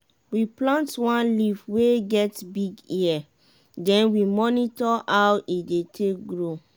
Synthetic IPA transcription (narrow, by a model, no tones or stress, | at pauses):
wiplãntwãnlivweɡɛtbiɡia | dɛ̃nwimɔnitɔawʔidetʰek̚ɡɹo